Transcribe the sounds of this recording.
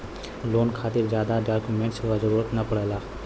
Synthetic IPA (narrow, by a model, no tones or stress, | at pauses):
loːnkʰaːt̪ɪɾzjaːd̪aɖaːɾkjumẽːɳʈsʋazəɾuːɾət̪nɐpɐɽelaː